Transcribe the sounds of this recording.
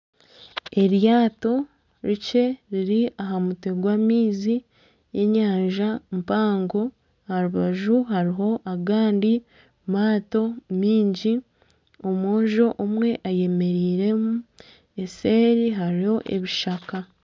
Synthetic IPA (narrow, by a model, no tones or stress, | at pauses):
e̞ɾjaːto̞ | ɾit͡ʃe̞ɾiɾiaɦamute̞ɡwamiːzi | je̞ɲaːɲʒampaːŋɡo̞ | haɾuβaʒuɦaɾiɦo̞ʔaɡaːndi | maːto̞miːɲɟi | o̞mwoːɲʒo̞ʔomwe̞ʔaje̞me̞ɾiːɾe̞mu | e̞se̞ːɾiɦaɾiho̞ʔe̞̰βiʃaka